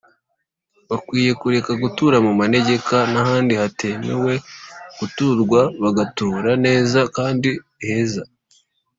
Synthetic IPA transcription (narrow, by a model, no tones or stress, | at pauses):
βakwiːje̞kuɾe̞kaɡutuɾamumane̞ɟe̞kanahaːndihatenewe̞ɡ̥utuɾɡwaβaɡatuːɾane̞ːzakaːndi | heza